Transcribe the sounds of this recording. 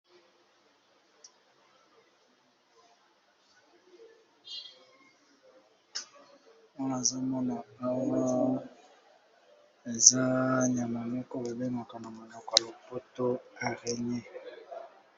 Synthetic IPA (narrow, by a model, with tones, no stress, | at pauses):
mɔ˦na˨za˦mɔ˦na˨ba˦wa˦ | e˨za˦ɲa˨ma˨me˦ko˦be˨be˦ma˨ka˨na˨mo˨nɔ˨kɔ˨lo˨po˦to˦a˨ʁɛ˨ɲɛ˦